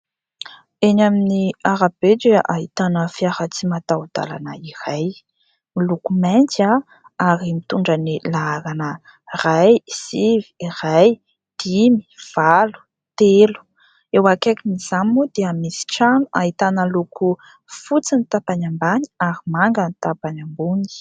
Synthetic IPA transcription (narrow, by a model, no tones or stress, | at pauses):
eɲaminiaɾab̥ed͡ʒeʔaɦit̪anəfiahat͡simat̪aud̪̥a̰la̰nə̰iraj | milukumajnt͡sa | aɾimit̪uɳɖ͡ʐənilaalanə | rajz̥iviiraj | d̪̥imi̥v̥alu̥ | t̪elu̥ | ewakakiniz̥ammud̪eamisi̥ʈ͡ʂanuʔa̰ɦit̪anəlukʰu | fut͡sinit̪apaɲambaɲi̥aɾimaŋɡənit̪apaɲambuŋi̥